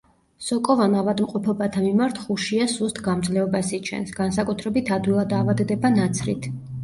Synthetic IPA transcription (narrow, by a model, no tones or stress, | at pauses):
sɔkʼɔvanavad̪mqʼɔpʰɔbat̪ʰamimaɾt̪ʰχuʃiasust̪ʰɡamd̪zlɛɔbasit͡ʃʰɛ̰nsɡ̥ansakʼut̪ʰɾɛbit̪ʰad̪wilˠad̪aːvad̪ɛd̪ɛbanat̪sʰɾḭt̪ʰ